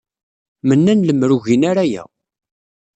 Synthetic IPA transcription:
mənːænləmːɾuʝinaɾæjæ̰

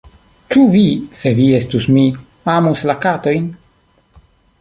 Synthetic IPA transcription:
t͡ʃuvise̞vie̞stusmi | amuslakato̞jn

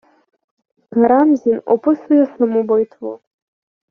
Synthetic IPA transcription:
ɡaɾamzino̰pʰɨsɨjasamubajtʰwo̰

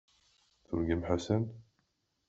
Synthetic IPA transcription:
θʊ̰ɾɡimħasæn

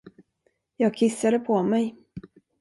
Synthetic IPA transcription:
jɑːɡ̚kʰɪsːad̪əpʰɔmɛj

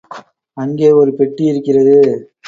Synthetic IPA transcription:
ɐŋɡeːɔɾɯpɛʈːiɪɾɯkːɪrɐðɯ

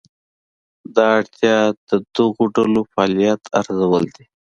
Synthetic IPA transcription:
d̪ɑːɽt̪ʰjɑd̪̥əd̪əɣoɖalofɑːlijat̪ʰa̰ɾzawəld̪i

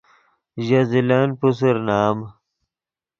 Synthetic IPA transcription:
ʑɐzilanpus̬uɾnaːm

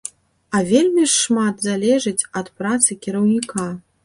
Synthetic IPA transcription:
ɐvʲelʲmʲiʂːmat̪zalʲɛʐɨt͡sʲɐt̪pɾat̪sɨkʲiɾɐwnʲika

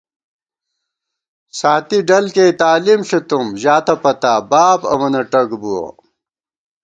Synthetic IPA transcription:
saːt̪iɖɐlkeːt̪aːlimɕet̪umʑaːt̪ɐpɐt̪aːbaːpɐ̰mɐnɐʈɐɡbuɐ̰

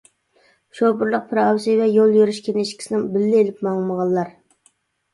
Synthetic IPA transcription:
ʃopʊɾlˠəq̚pʰɾɑwsɨvɛjolˠjøɾyʃkʲʰenɪʃkʲi̥sɪnɪŋbɪlːɪelɪpmɑŋməʁɑlˠːɑɾ

